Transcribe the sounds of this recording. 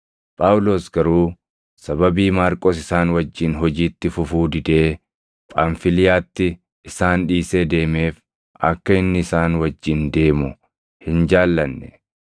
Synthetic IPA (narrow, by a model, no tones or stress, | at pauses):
pʼaːwʊlo̞ːsɡɐɾuː | sɐbɐbiːmaːɾkʼoːs̬ɪsaːnwɐd͡ʒːɪnɦɔd͡ʒiːt̪ːɪfʊfuːd̪ɪd̪e̞ː | pʼaːnfɪlɪjaːt̪ːɪ | ɪsaːnᶑiːse̞ːd̪e̞ːme̞ːf | ɐkːɐɪnːɪɪsaːnwɐd͡ʒːɪnd̪e̞ːmʊ | hɪnd͡ʒaːlːɐnːɛ